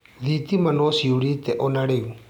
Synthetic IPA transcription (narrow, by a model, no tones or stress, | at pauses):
ðit̪imanɔsiuɽit̪ɛʔɔnaɽeu